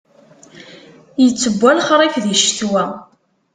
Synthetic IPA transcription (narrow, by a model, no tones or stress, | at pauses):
jət͡sːəbʷːælχɾˤækðiʃθwæ